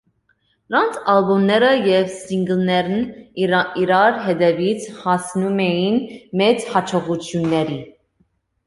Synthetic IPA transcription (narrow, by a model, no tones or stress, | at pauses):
ɾɑnt͡sʰɑlbumnɛɾəjɛvsiŋɡəlnɛɾn | iɾɑɾɦɛd̪ɛvit͡sʰhɑsnumɛjinmɛt͡shɑt͡ʃʰɔʁut͡sʰjunːɛɾi